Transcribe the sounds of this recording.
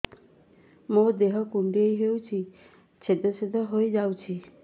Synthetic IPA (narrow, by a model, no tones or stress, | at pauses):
mod̪eɦɔkuɳɖiejɦewt͡ʃʰi | t͡ʃʰed̪ɔsed̪ʱɔɦojd͡ʒawt͡ʃʰi